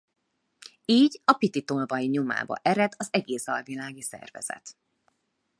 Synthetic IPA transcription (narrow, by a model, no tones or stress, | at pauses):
iːɟɒpit̪it̪olvɒjiɲoma̰ːbɒ̰ʔɛɾɛd̪ɒzɛɡeːsɒlvilaːɡisɛ̰rvɛ̰z̥ɛ̰t̪